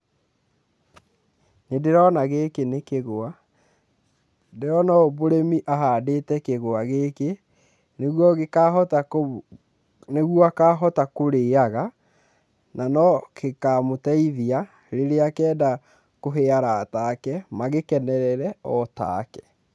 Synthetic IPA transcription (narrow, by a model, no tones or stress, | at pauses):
nedeɾɔnaɣekenekeɣoa | deɾɔnɔoboɾemiʔaɦaːdetɛkeɣoaɣeke | neɣwɔɣekaɦɔta | neɣwɔakaːɦɔtakoɾeːaɣa | nanɔkekamotɛiðia | ɾeɾeakɛːda | koɦeaɾaːtakɛmaɣekɛnɛɾɛɾɛɔta̰kɛ̥